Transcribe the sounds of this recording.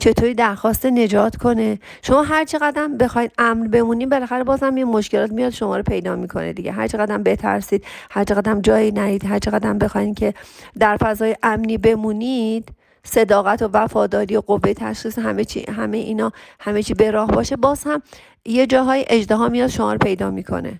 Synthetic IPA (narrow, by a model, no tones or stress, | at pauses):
t͡ʃʰe̞t̪ʰoɾiːd̪æɾxɒːst̪ene̞d͡ʒɒːt̪ʰkʰo̞ne̞ | ʃo̞mɒːɦæɾt͡ʃʰe̞ɣæd̪æmbe̞xɒːjd̪̥ʔæmnbe̞muːnibe̞læxæɾebɒːzhæmjimo̞ʃce̞lɒːt̪mijɒːt̪ʃo̞mɒːɾopʰe̞jd̪ɒːmiːkʰo̞̰nḛd̪ḭɡɟḛɦæɾt͡ʃʰeɣæd̪æmbe̞t̪ʰæ̰ɾsiːd̪̥̚hæɾt͡ʃʰeɣæd̪æmd͡ʒɒːjiːnæɾiːd̪ɦæɾt͡ʃʰe̞ɣæd̪æmbe̞xɒːjincʰe̞d̪æɾfæzɒːjeʔæmniːbe̞muːnid̪̥ | se̞d̪ɒːɣæt̪ʰo̞væfɒːd̪ɒːɾiːoɡo̞vːe̞jt̪ʰæʃxiːsɦæmet͡ʃʰḭɦæmejeʔiːnɒːhæme̞t͡ʃʰiːbe̞ɾɒːhbɒːʃe̞bɒːz̥hæm | jed͡ʒɒːɦɒːjiʔe̞d͡ʒd̪eɦɒːmijɒːd̪̥ʃo̞mɒ̰ːɾopʰe̞jd̪ɒːmiːkʰo̰ne̞̰